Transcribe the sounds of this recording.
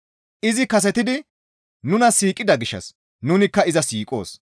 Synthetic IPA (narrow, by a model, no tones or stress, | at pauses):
ʔɪzɪkɐs̬ɛt̪ɪd̪ɪ | nʊnɐsiːkʼɪd̪ɐɡɪʃːɐ̰s | nʊnɪkːɐɪzɐsiːkʼo̞̰ːs